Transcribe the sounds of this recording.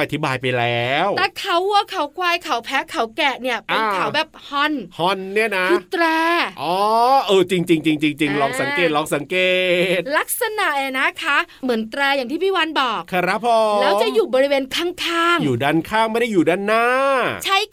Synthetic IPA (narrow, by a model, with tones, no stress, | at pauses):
ʔa˧t̪ʰi˦˥baː˧jpa˧jlɛː˦˥w̪ɛː˨˩kʰa˨˦wu˧˩˧kʰa˨˦wkwaː˧jkʰa˨˩˦wpʰɛ˦˥kʰa˩˦wkɛ˨˩ni˥˩ɐpe˧nkʰa˨˩˦wbɛː˨˩p̚hɔ˧˩nhɔ˧˩nːi˥˩ɐna˦˥u˨˧˩t̪ɾɛː˧ʔɔː˨˦ʔɤː˧˩t͡ɕi˧ŋt͡ɕi˧ŋt͡ɕi˧ŋt͡ɕi˧ŋt͡ɕi˧ŋlɔː˧˩ŋsa˩˦ŋkeː˨˩t̪̚lɔː˧ŋsa˨˩˦ŋkeː˨˩˨t̪̚la˦˥k̚sa˧na˨˩ʔeː˨˩na˦˥kʰa˦˥ | mɯ˨˩˦nt̪ɾɛː˧jaː˨˩ŋt̪ʰiː˥˩pʰiː˥˩wa˧˥nbɔː˨˩k̚kʰa˧ɾa˦˥pʰo˧lɛː˦˥wt͡ɕa˨˩juː˨˩bɔː˧ɾi˦˥weː˧nkʰaː˥˩ŋkʰaː˥˩ŋjuː˨˩daː˧˥˩nkʰaː˥˩ŋma˥˩jda˥˩juː˨˩daː˥˩nːaː˥˩t͡ɕʰa˦˥j